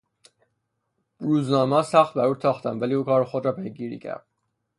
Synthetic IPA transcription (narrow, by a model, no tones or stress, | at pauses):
ɾuːznɒːmɒːsæxt̪̚bæɾut̪ʰɒːxt̪ʰænvæliːuːkʰɒːɾexod̪ɾɒːpʰejɡiːɾḭːcʰæ̰ɾd̪̥̚